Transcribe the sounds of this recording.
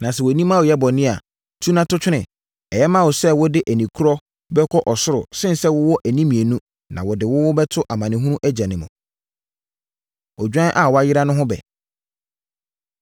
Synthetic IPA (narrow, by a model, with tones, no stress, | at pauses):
nã˨s̬ɛ˨wɔ˨nĩ˦mã˦˨wʊ˨jɛ˦bɔ˨nɪ̃˦a̰˨ | tʰu˦nã˦tʰʊ˦t͡ɕᶣɪ˦ɪ̃˨ | ɛ˨jɛ˦mã˦wʊ˨sɛ˦wʊ˦dɪ˦ʔæ˨nĩ˨kʰu˦ɾɔ˦ | bɛ˦kʰɔ˦ʔɔ˨sʊ˦ɾʊ̰˨sɪ̃˦n˨sɛ˦wʊ˦wɔ˦ʔæ˨nĩ˦mĩ˨e˨nũ˦ | nã̰˨wʊ˨dɪ˨wʊ˦wʊ˦bɛ˦tʰʊ˦ʔa˨mã˨nɪ̃˨ɦũ˦ɾũ˦ʔæ˦d͡ʑã˨nɪ̃˨mṵ̃˨ | ɔ˨d͡ʑᶣã˦ʔa˨wɔ˨˦a˦jɪ˦ɾa˦nʊ̃˦ɦʊ̃˦bɛ̰˨